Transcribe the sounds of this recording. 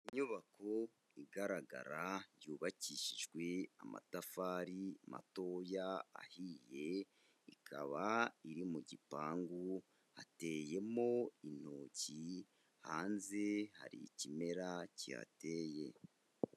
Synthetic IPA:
iɲuβakʰo̞ | iɡaɾaɡa̰ɾajuːβaciːʃiʒɡwe̞ama̰tafaːɾima̰to̞ja̰ːhiːje̞ | ikʰa̰βaiɾimuɟipaːŋɡu | hate̞ːje̞mo̞in̥oːci | haːnze̞ha̰ɾḭcime̞ɾacia̰teːje̞

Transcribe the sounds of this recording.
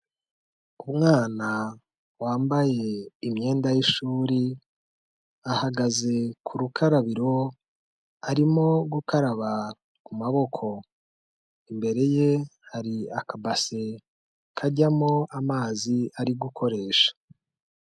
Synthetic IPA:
umŋaːna | waːmbaje̞imɲe̞ːndajiʃuːɾi | ahaɡaze̞kʰuɾukʰaɾaβiɾo̞ | aɾimo̞ɡukaɾaβa | kumaβo̞kʰo̞ | imbe̞ɾe̞je̞haɾiakabase̞ | kʰaɟamoamaːziaɾiɡukʰo̞ɾe̞ːʃḁ

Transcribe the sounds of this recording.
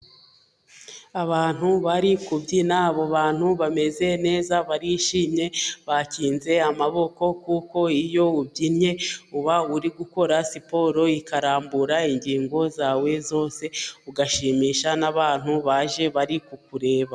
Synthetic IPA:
aβaːn̥huβaɾikubɟinaːβo̞βaːn̥huβame̞ze̞ne̞ːzaβaɾiʃiːmɲe̞βaciːnze̞amaβo̞ko̞kuko̞ijo̞ubɟinɲe̞uβauɾiɡuko̞ɾasipo̞ɾo̞ikaɾaːmbuɾaiɲɟiːŋɡo̞zaːwe̞zo̞ːse̞uɡaʃiːmiːʃanaβaːn̥huβaʒe̞βaɾikukuɾe̞ːβa

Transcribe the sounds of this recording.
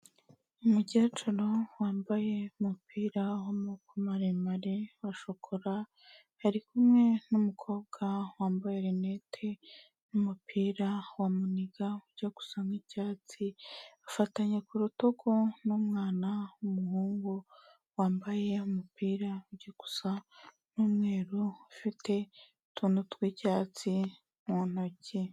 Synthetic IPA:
umuɟaːt͡ʃuɾowaːmbaje̞umupʰiːɾawomukumaɾemaɾewaʃokʰoɾa | haɾikumŋe̞numukʰo̞ːb̚ɡawaːmbajeɾenetʰe | numupʰiːɾawamuniɡauɾɟaɡ̥u̥saŋicaːt͡siafataɲekuɾuto̞ɡonomŋaːnaumuhuːŋɡo | waːmbaje̞umupiːɾauɟeku̥sa | numweːɾuufitʰe̞ | tʰunutwecaːt͡si | mwonoce

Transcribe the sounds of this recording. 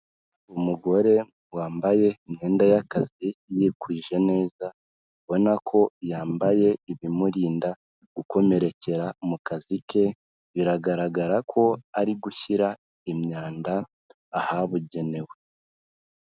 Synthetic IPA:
umuɡo̞ɾe̞ | waːmbaje̞imɲe̞ːndajakazijekwiːʒe̞ne̞ːza | βo̞nakʰo̞jaːmbaje̞iβimuɾiːnda | ɡ̥uko̞me̞ɾe̞ce̞ɾamukazike̞ | βiɾaɡaɾaɡaɾakʰo̞aɾiɡuçiɾa | imɲaːndaː | haβuɟe̞ne̞we̞

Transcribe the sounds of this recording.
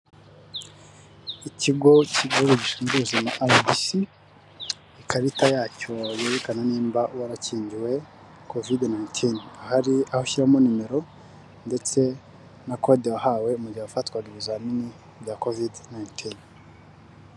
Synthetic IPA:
iciɡo̞cioɡoɟisuŋɡuzenaʔajbisi | ikaɾitajaːco̞jeɾekananiːmbawaɾaciːɲɟiwe̞ | kovidnajntʰinahaɾiahoçiɾamonime̞ɾo̞ | nde̞t͡se̞ | nako̞dewahawe̞umuɟiwafatkwaɡiβizamini | ɟakovidnajntʰin

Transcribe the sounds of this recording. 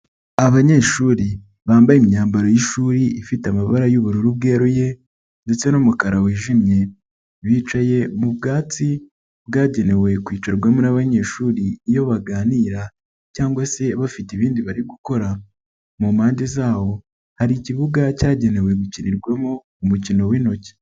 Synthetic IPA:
aβaɲe̞ʃuːɾi | βaːmbajimɲaːmbaɾojiʃuːɾiifitamaβaɾajuβuɾuɾuβ̚ɡe̞ːɾoje̞ | ndet͡se̞nomukaɾawiːʒimɲe̞ | βiːt͡ʃaje̞mubɡaːt͡si | bɡaːɟe̞ne̞we̞kwiːt͡ʃaɾɡwamonaβaɲe̞ːʃuːɾiːjo̞βaɡaːniːɾa | caːŋɡwase̞βafitiβiːndiβaɾiɡuko̞ɾa | mumhaːɲɟezaːβo̞ | haɾiciβuɡacaːɟe̞ne̞we̞βuciniɾɡwemo | umucino̞wiːno̞ce̥

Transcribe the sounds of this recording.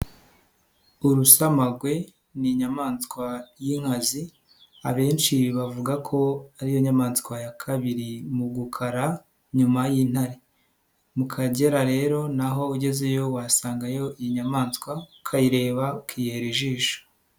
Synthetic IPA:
uɾusamaɡwe̞ | niɲamaːnskwajiːŋ̥hazi | a̰βe̞ːnt͡ʃiβavuɡakʰo̞aɾijo̞ɲamaːnzkwajakʰaβiɾimuɡukʰaɾa | ɲumajiːn̥haɾe | mukʰaɟe̞ɾaɾe̞ːɾo̞naɦo̞uɟe̞ze̞jo̞wasaːŋɡajo̞iɲamaːnskwakʰaiɾe̞ːβakijeɾiʒiːʃo̥

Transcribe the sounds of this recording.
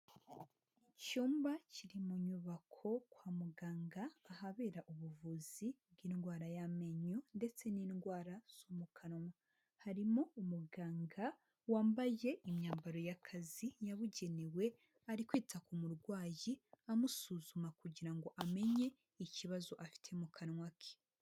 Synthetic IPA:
icuːmbaciɾimuɲuβakʰo̞kwaːmuɡaːŋɡaːɦaβe̞ːɾaʔuβuvuzib̚ɡiːnɡwaːɾajame̞ɲonde̞t͡se̞niːnɡwaːɾaz̥o̞mukʰanoma | haɾimoumuɡaːŋɡa | waːmbaje̞ʔimɲaːmbaɾo̞jakʰazijaβuɟe̞niwe̞ | aɾikwiːtʰakumuɾɡwaːjiamusuzumakuɟiɾaŋɡo̞ʔame̞ɲe̞ | iciβazo̞ʔafi̥tʰe̞mukʰanŋwakʰe̥

